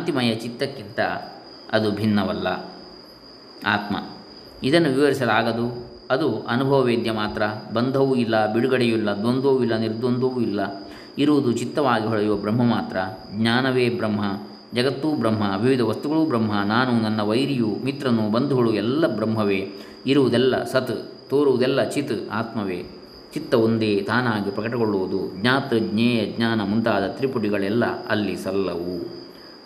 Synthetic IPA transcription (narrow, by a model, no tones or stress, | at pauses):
ɐnt̪imɐjɐt͡ʃit̪ːɐkːint̪ɐ̰ | ɐ̰d̪ubʱinːɐʋɐlːɐ̰ | a̰ːt̪mɐ̰ | id̪ɐnːuʋiʋɐɾisɐlaːɡɐd̪u | ɐd̪uɐnubʱɐʋɐʋeːd̪jɐmaːt̪ɾɐbɐnd̪ʱɐʋuilːɐbiɽuɡɐɽejuilːɐd̪ond̪oʋuilːɐniɾd̪ond̪ʱɐʋuilːɐ | iɾuʋud̪ut͡ʃit̪ːɐʋaːɡiɦɔɭɐjuʋɐbɾɐmːɐmaːt̪ɾɐɡɲaːnɐʋeːbɾɐmɦɐ | d͡ʒɐɡɐt̪ːuːbɾɐmɦɐʋiʋid̪ʱɐʋɐst̪uɡɐɭubɾɐmɦɐnaːnunɐnːɐʋɐjɾijumit̪ɾɐnːubɐnd̪ʱuɡɐɭuɛlːɐbɾɐmɦɐʋeː | iɾuʋud̪ɛlːɐ̰sɐt̪t̪oːɾuʋud̪ɛlːɐt͡ʃit̪a̰ːt̪mɐʋḛː | t͡ʃit̪ːɐʋond̪eːt̪aːnaːɡipɾɐkɐʈɐkɡoɭːuʋud̪uɡɲaːt̪ɐɡɲɛːjɐɡɲaːnɐmunt̪aːd̪ɐt̪ɾipuʈiɡɐɭɛlːɐ̰ɐlːisɐlːɐʋu